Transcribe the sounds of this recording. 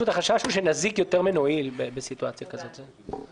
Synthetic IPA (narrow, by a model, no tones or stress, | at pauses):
utaχaʃaʃuʃenazikjo̞teʁmenoilbebesituat͡sjakazo̞t̪ze